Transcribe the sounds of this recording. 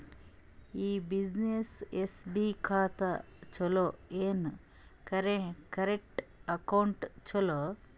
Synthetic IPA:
iːbid͡ʒnesesbiːkʰaːt̪ɐ | t͡ʃoloeːn | kɐɾekɐɾek̚ʈɐkɐwɳʈt͡ʃolo

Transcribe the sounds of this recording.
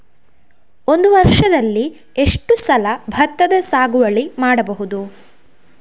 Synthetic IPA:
o̞nd̪uʋɐɾʂɐd̪ɐlːi | e̞ʂʈusɐlɐbʱɐt̪ːɐd̪ɐsaːɡuʋɐɭimaːɽɐbɐɦud̪u

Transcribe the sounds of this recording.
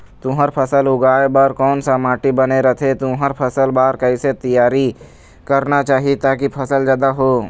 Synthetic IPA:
t̪ʊɦəɾpʰəsəlʊɡaːebaːɾkɔːnsamaːʈibɐneɾət̪ʰet̪ʊɦəɾpʰɐsəlbaːɾkɐɪset̪əjaːɾi | kɐɾnat͡ʃaːɦiet̪aːkipʰɐsəld͡ʒjaːd̪aɦoː

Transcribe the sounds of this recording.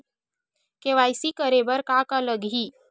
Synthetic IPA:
keʋajsiːkəɾebəɾkakaləɡʱɦiː

